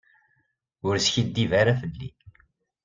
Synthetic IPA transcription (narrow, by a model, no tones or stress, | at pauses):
ʊɾsçid̪ːivaɾafəlːḭ